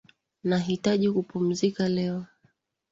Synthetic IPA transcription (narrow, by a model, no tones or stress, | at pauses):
naɦitaʄikupum̩zikalɛɔ